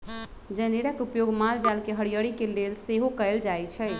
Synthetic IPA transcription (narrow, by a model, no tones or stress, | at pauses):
d͡ʒəneɽəkupjoɡmald͡ʒalkeɦəɽijəɽikelelseɦokəɪld͡ʒajt͡ʃʰɛj